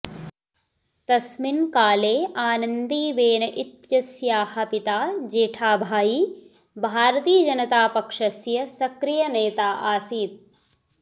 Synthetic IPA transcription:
t̪ɐsminkaːleːaːnɐnd̪iːʋeːnɐʔit̪jɐsjaːhɐpit̪aːd͡ʒeːʈʰaːbʱaːjiː | bʱaːɾɐt̪iːjɐd͡ʒɐnɐt̪aːpɐkʂɐsjɐsɐkɾijɐneːt̪aːʔaːsiːt̪̚

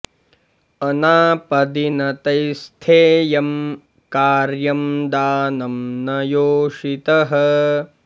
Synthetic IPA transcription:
ɐnaːpɐd̪inɐt̪ɐjst̪ʰeːjɐm | kaːɾjɐmd̪aːnɐmnɐjoːʂit̪ɐɦɐ

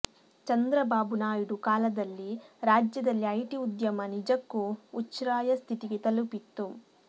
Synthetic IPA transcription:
t͡ʃɐnd̪ɾɐbaːbunaːjiɽukaːlɐd̪ɐlːiɾaːd͡ʒjɐd̪ɐlːiɐjʈiud̪jɐmɐnid͡ʒɐkːuːt͡ʃːɾaːjɐst̪ʰit̪iɡet̪ɐlupit̪ːu

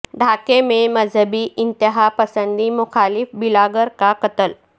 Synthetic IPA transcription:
ɖʱakememəd͡zʱəbiːʔint̪iɦapəsənd̪imuxalifbilaɡəɾkakət̪əl

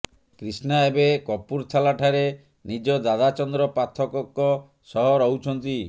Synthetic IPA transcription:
kɾisnaebekɔpuɾt͡ʃʰalaʈʰaɾe | nid͡ʒɔd̪ad̪at͡ʃɔnd̪ɾɔpat̪ʰɔkɔkːɔ | sɔɦɔɾɔwt͡ʃʰɔnt̪i

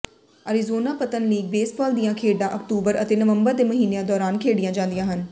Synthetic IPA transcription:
əɾizoːnaːpət̪ənliːɡ̚beːsbɔːld̪ijãːkʰeːɖãːʔəkʈuːbəɾət̪eːnəʋəmbəɾd̪eːməɦiːneãːd̪ɔːɾaːnkʰeːɽijãːd͡ʒãːnd̪ijãːɦən

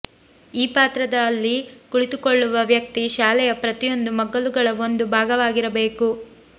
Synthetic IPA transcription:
iːpaːt̪ɾɐd̪ɐːlːikuɭit̪ukoɭːuʋɐʋjɐk̚t̪iʃaːlɛjɐpɾɐt̪ijo̞nd̪umɐɡɐluɡɐɭɐo̞nd̪ubʱaːɡɐʋaːɡiɾɐbe̞ːku

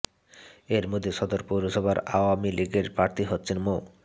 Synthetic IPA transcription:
eɾmod̪ʱːeʃɔd̪oɾpuwɾoʃɔbʱaɾa̰wamiliɡeɾpɾaɾt̪ʰiɦot̪ːɕʰenmo

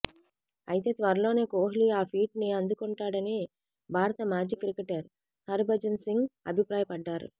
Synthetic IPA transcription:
ɐjt̪e̞ːt̪ʋɐɾɐlo̞ːne̞ːkoːɦiliaːpʰiːʈniɐnd̪ukuɳʈaːɽɐni | bʱaːɾɐt̪ɐmaːd͡ʒikɾikːeʈɐɾ | hɐɾbʱɐd͡ʒɐnsiŋɡɐ̰bʱipɾaːjɐpɐɖːaːɾṵ

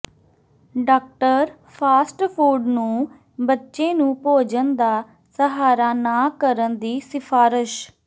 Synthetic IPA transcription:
ɖaːk̚ʈəɾ | pʰaːsʈpʰuːɖnũː | bətːʃẽːnũːpoːd͡ʒənd̪aː | səɦaːɾaːnaːkəɾənd̪iːsɪpʰaːɾɪʃ

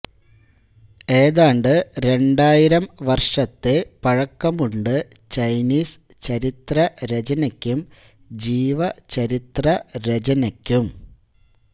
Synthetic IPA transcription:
e̞ːðaːɳɖɨɾe̞ɳɖaːjiɾɐmʋɐrʂɐt̪ːe̞pɐɻɐkːɐmuɳɖɨ | t͡ɕɐjniːs | t͡ɕɐɾit̪rɐɾed͡ʑɐnɐkʲːum | d͡ʑiːʋɐt͡ɕɐɾit̪rɐɾed͡ʑɐnɐkʲːum

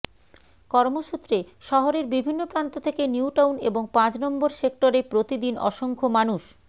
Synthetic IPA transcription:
kɔɾmoʃut̪ːɾeʃɔɦoɾeɾbibʱinːopɾant̪ot̪ʰekeniuʈawneboŋpãt͡ɕnɔmboɾsek̚ʈoɾepɾot̪id̪inʔɔ̰ʃoŋkʰomanuʃ

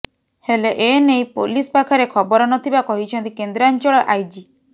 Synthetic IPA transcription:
heleʔenejpolisɔpakʰaɾekʰɔbɔɾɔnɔt̪ʰibakɔɦit͡ʃʰɔnt̪ikend̪ɾant͡ʃɔɭɔʔajd͡ʒi

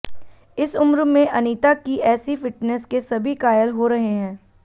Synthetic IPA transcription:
ɪsʊmɾmẽʔɐniːt̪akiʔɛːsifɪʈnɛskesɐbʱikaːjəlɦoɾɐɦeɦɛ̃ː

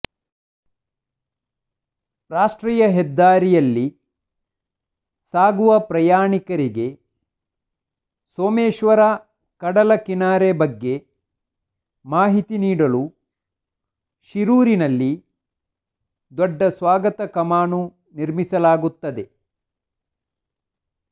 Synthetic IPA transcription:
ɾaːʂʈɾiːjɐɦɛd̪ːaːɾijɐlːi | saːɡuʋɐpɾɐjaːɳikɐɾiɡe̞ | soːmeːʃʋɐɾa | kɐɽɐlɐkinaːɾebɐɡːe̞ | maːɦit̪iniːɽɐlu | ʃiɾuːɾinɐlːi | d̪ɔɖːɐsʋaːɡɐt̪ɐkɐmaːnu | niɾmisɐlaːɡut̪ːɐd̪e̞

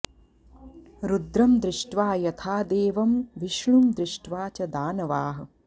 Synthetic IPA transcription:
ɾud̪ɾɐmd̪ɾɪʂʈʋaːjɐt̪ʰaːd̪eːʋɐmʋiʃɳumd̪ɾɪʂʈʋaːt͡ʃɐd̪aːnɐʋaːɦɐ̆

